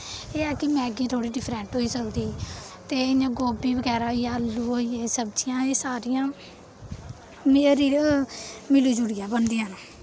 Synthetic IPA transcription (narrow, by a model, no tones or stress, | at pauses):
eːaːkɪmɛ̃ːɡiːt̪ʰoːɽiːɖɪpʰɾɛ̃ɳʈɦoːiːsəld̪iːt̪eːɪjãːɡoːbiːbəɡɛːɾaːɦoiːjaːlːuːoːieːsəbd͡ʒiːãːeːsaːɾijãː | mɾiː | mɪluːd͡ʒʊɽɪjaːbənd̪iːnãː